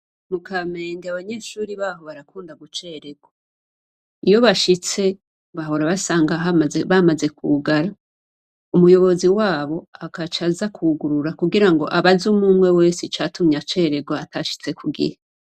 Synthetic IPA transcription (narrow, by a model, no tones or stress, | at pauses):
mukʰameːndiaβaɲe̞ːʃuːɾiβaːɦo̞βaɾakuːndaɡut͡ʃe̞ɾe̞ɡ̥wo | ijo̞βaʃit͡se̞ | βaɦo̞ɾaβasaːŋɡaɦaβamaze̞kʰṵɡaɾa | umujo̞βo̞ziwaːβo̞akat͡ʃazakʰuɡuɾuɾakuɡiɾaŋɡo̞̰ʔaβazumuːmwe̞we̞ːsit͡ʃatumɲat͡ʃe̞ːɾe̞ɡwoatʰaʃi̥t͡se̞kʰuɡḭɾe